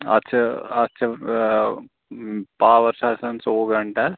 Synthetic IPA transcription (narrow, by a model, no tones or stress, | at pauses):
ɐ̰tːɕʰɐɐtːt͡ʃʰɐ | paːʋɐɾsaːsɐnsoːɡɐɳʈaɾ